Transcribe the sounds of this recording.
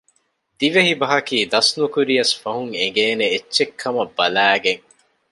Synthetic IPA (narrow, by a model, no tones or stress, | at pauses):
d̪iʋeɦibɐɦɐkiːd̪ɐsnukuɾiɐsfɐɦuŋeŋɡeːneetːʃekʰːɐmɐbːɐlæːɡeŋ